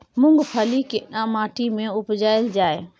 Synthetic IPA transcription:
mʊ̃ŋɡpʰəlikɪɗãːmaːʈʰimẽʊpd͡ʒaːɪld͡ʒaːeː

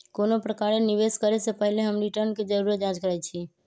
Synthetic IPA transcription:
konopɾəkaɾeniʋeskəɾesepəɦleɦəmɾiʈəɾnked͡ʒəɾuɾəd͡ʒãd͡ʒkəɾat͡ʃʰi

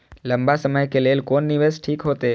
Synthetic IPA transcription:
ləmbasəməjkeleːlkoːnːiʋesʈʰiːkɦot̪e

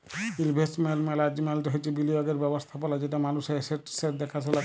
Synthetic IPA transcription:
ilbʱesʈmelmɛlad͡ʑimɛlteɦojt͡ʃʰibiliɔɡeɾbɛbost̪ʰapɔlad͡ʑeʈamanuseseʈseɾd̪ɛkʰatʰila

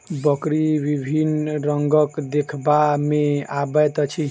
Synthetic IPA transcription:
bəkɾibibʱinɾəŋɡəkd̪ekʰbameabɛt̪ət͡ʃʰi

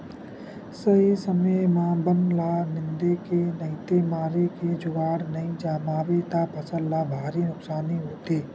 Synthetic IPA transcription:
səɦisəməjmãːbənlanɪ̃nd̪ekenɐɪt̪emaːɾeked͡ʒʊɡaːɽnɐĩd͡ʒaːmaːʋet̪apəsəɾlabʱaːɾinʊksaːniɦoːt̪eː

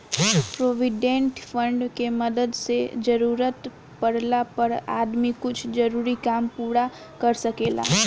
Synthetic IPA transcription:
pɾoːʋɪɖẽɳʈfʰə̃ɳɖkemɐd̪əd̪sed͡ʒɐɾuːɾət̪ | pɐɽlapɐɾa̰ːd̪mikʊt͡ʃʰd͡ʒɐɾuːɾikaːmpuːɽa | kɐɾsɐkeːla̰ː

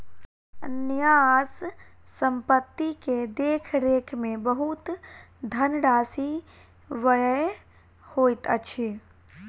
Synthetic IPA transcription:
njassə̃mpət̪ːiked̪eːkʰɾeːkʰmẽbəɦut̪d̪ʱənɖaːsi | ʋəjə | hoːt̪ə̰t͡ʃʰi

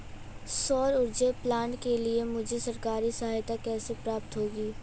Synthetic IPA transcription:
sɔːɾʊɾd͡ʒeplaːnkeliemʊd͡ʒʱesɐɾkaːɾisɐɦaːjt̪akɛːsepɾaːp̚t̪ɦoːɡiː

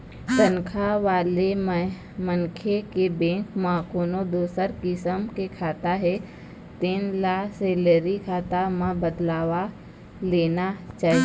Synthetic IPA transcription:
t̪ənkʰaʋaːlem | məŋkʰekebẽːŋkmãkoːnod̪oːsəɾkɪsəmkekʰaːt̪aɦɛ | t̪iːnlaːseːləɾikʰaːt̪amãbəd̪laːʋa | leːnat͡ʃaːɦi

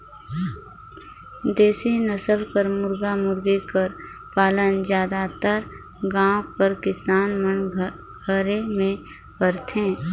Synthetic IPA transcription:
d̪eːsenəsəlpəɾmʊɾɡamʊɾɡekəɾpaːlənd͡ʒjaːd̪at̪əɾ | ɡãːõpəɾkɪsaːnmən | ɡʱəɾemẽ | pəɾt̪ɦẽː

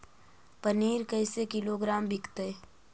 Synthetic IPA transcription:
pəniːɾkəɪsekɪloɡɾaːmbʱɪkt̪e

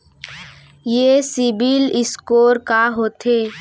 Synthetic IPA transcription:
jesɪbilɪskoːɾkaɦoːt̪eː

